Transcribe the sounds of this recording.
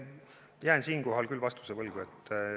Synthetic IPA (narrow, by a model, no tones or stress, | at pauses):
jæːnsiːnko̞ɦɑlkylːvɑst̪u̥sevɤlɡ̥uet̪ː